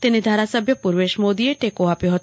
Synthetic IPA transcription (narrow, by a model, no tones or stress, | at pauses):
t̪ened̪ʱaɾasəbʱjəpuɾʋeʃmod̪ieʈekoapjoɦət̪